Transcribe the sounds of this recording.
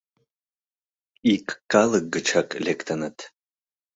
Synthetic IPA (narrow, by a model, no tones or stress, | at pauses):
ikːalɨk̚ɡɨt͡ʃʰakʼelʲektʰɐnɨtʰ